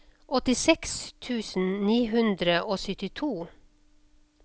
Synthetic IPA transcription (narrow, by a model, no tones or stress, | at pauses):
ʔɔt̪ɪsɛkst̪ʰʉːsn̩niːɦʉnd̪ɾəʔoːsʏt̪ɪt̪ʰuː